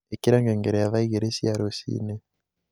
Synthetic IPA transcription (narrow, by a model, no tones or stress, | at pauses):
ekiɾaŋɡeːŋɡeɾejaβaiɣeɾesiaɾosḭne